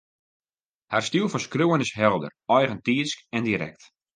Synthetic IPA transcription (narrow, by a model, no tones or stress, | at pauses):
harstilˠfɔskruənɪsɦɛlˠdə̰rɔjɣəntiəskɛndiɾɛ̰k̚t